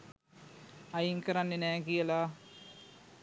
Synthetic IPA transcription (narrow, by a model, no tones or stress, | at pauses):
ɐjiŋkəɾanːenæːkijəlaː